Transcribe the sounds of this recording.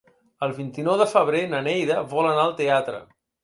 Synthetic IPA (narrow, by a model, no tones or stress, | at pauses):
əlˠβint̪inɔwðəfəβ̞ɾenənɛjðəβɔlənaəlˠt̪eat̪ɾə̰